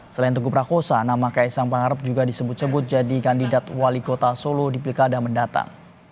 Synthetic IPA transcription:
səlaint̪uɡupɾakosanamakaisaŋpaŋaɾəp̚d͡ʒuɡadisəbʊt̪̚səbʊt̪̚d͡ʒadikandidat̪walikot̪asolodipilkadaməndat̪a̰ŋ

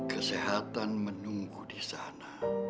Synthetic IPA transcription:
kəseɦat̪anmənuŋkudisana

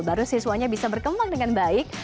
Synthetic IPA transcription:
baɾusisuaɲabisabərkəmbaŋdəŋanbaɪk̚

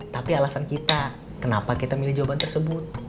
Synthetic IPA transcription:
t̪apialasankit̪a | kənapakit̪amilɪhd͡ʒawabant̪ərsəbʊt̪̚

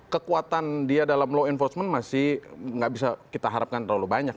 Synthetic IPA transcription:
kəkuat̪andiadalamloɛnfɔrsmənmasɪhŋɡaʔbis̬akit̪aɦaɾap̚kant̪ərlalubaɲak̚

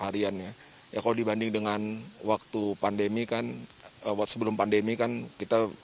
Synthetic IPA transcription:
haɾianɲa | jakalodibandɪŋdəŋanwak̚t̪upandemikanəsəbəlʊmpandemikankit̪a

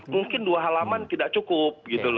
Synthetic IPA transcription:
muŋkɪnduaɦalamant̪idak̚t͡ʃukʊp̚ɡit̪ul

